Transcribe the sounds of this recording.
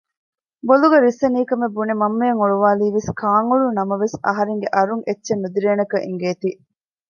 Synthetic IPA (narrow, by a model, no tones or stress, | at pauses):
boluɡeɾisːɐniːkɐmebunemɐmːejɐŋoɭuʋaːliːʋeskaːŋuɭunɐmɐʋesɐ̰ɦɐɾeŋɡeʔɐɾuŋʔetːʃenːud̪iɾeːnɐkɐʔiŋɡeːt̪i